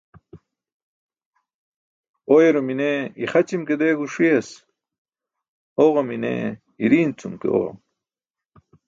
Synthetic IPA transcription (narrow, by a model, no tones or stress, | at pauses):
ojeɾomineiχɐt͡ɕimked̪eːɡuʂiɐs | oʁɐminḛ | iɾiːnt͡sumkḛo̰ʁa̰m